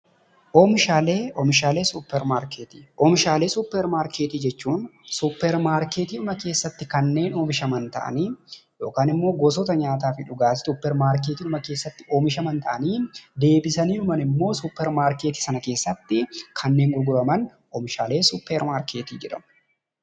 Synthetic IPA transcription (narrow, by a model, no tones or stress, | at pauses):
ʔoːmɪʃaːleːɔmɪʃaːle̞ːsupːɛɾmaːɾkeːt̪iːʔɔːmɪʃaːle̞ːsupːɛɾmaːɾkeːt̪iːd͡ʒɛt͡ʃːuːnsupːɛɾmaːɾkeːt̪iːʊmɐke̞ːsːɐt̪ːɪkɐnːe̞ːnoːmɪʃɐmɐnt̪ɐ̰ʔɐ̰niːjo̞ːkaːnɪmːo̞ːɡɔːsɔt̪ɐɲaːt̪̬aːfɪᶑʊɡaːsɪ̥t̪ʊpːɛɾmaːɾk̬eːt̪iːnʊmɐkeːsːɐt̪ːɪoːmɪʃɐmɐnt̪ɐʔɐniːd̪e̞ːbɪsɐniːᶑʊmɐnɪmːo̞ːsupːɛɾmaːɾkeːt̪iːsɐnɐke̞ːsːɐt̪ːɪkʰɐnːe̞ːŋɡʊɾɡʊɾɐmɐn | ɔːmɪʃaːle̞ːsʊpːɛɾmaːɾkeːt̪iːd͡ʒɛᶑɐ̰mʊ̥